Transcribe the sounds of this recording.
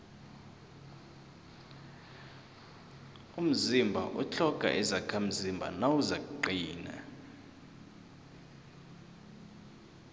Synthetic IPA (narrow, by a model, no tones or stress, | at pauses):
um̩zimbʱa̰ʔṵt͡ɬʰɔɡ̥ʱʼa̰ʔɛzakʰam̩zimbʱa̰nawuzakuǃiːna̰